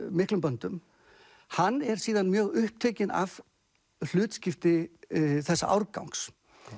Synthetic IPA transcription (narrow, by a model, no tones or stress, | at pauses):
mɪhklʏmpœnt̪ʏm | hanːɛɾ̥siːðanmjœːɣʏhp̚t̪ʰeːcɪna̰v | l̥ʏːt̪scɪft̪ɪθɛsːa̰ʔa̰wɾka̰wŋks